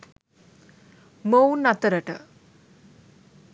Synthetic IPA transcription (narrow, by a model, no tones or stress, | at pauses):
mownːat̪əɾəʈə̰